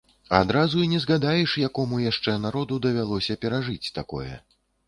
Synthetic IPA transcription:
a̰d̪ɾazuinʲɛzɣad̪ajɛʂjakɔmujaʂt͡ʂɛnaɾɔd̪ud̪ɐvʲalˠɔsʲɐpʲɛɾaʐɨt͡sʲt̪akɔ̰jɛ̰

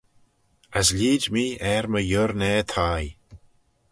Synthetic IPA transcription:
asliːdmiːɛɹməjʊɾnɛːt̪ʰaːj

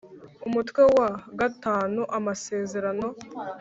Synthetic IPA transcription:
umutkwewaɡataːnuʔamase̞ːze̞ɾano̞

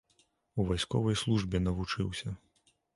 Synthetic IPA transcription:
uvajskɔ̰vɐjslˠuʐbʲɛnɐvut͡ʂɨwsʲɐ

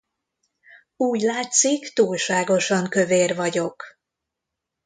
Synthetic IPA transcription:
uːɟlaːt̪sikt̪uːlʃaːɡo̞ʃɒŋkø̞veːrvɒɟo̞k

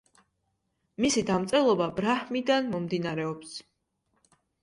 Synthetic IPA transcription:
misid̪amt̪sʼɛlˠɔbabɾahmid̪anmɔmd̪inaɾɛɔps

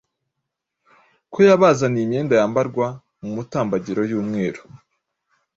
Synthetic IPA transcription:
kʰojaβazanimɲeːndajaːmbaɾɡwa | mumutaːmbaɟiɾo̞juːmŋe̞ːɾo̥

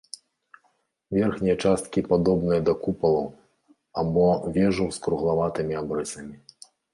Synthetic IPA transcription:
vʲɛrxnʲijɐt͡ʂast̪̚kʲipad̪ɔbnɨjɐd̪ɐkupɐlˠɐw | abɔvʲɛʐɐwskɾuɣlˠavat̪ɨmʲiabɾɛsʲɐmʲi

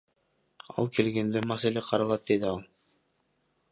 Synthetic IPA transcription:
ɑ̰lˠkelɡend̪ɘmæsælʲeqʰɑɾɑlˠɑt̪̚ːed̪ɘɑlˠ

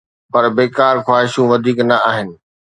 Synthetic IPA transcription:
pɐɾbeːkaːɾxwaːɦɪʃũʋɐd̪ʱiːknɐaːɦɪnɪ̆

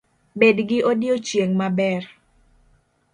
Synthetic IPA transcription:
bedɡɪʔodjot͡ʃjeŋmabɛr

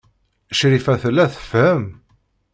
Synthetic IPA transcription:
əʃɾifæθlːæθə̥fhəm

